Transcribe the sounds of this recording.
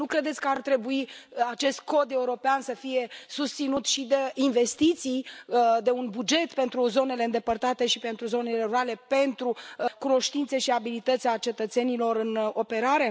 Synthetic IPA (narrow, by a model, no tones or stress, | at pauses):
nukɾe̞d̪esʲkəart̪ɾe̞buiat͡ʃe̞st̪̚ko̞d̪e̞uɾo̞peansəfije̞sust̪sinut̪ʃid̪einve̞st̪it̪sijd̪e̞unbud͡ʒe̞t̪pe̞nt̪ɾuzo̞ne̞le̞ɨnd̪e̞pərt̪at̪e̞ʃipe̞nt̪ɾuzo̞ne̞le̞ɾuale̞pe̞nt̪ɾukuno̞ʃt̪int̪se̞ʃiabilit̪ət̪sʲat͡ʃe̞t̪ət̪se̞nilo̞ɾɨno̞pe̞ɾaɾe̞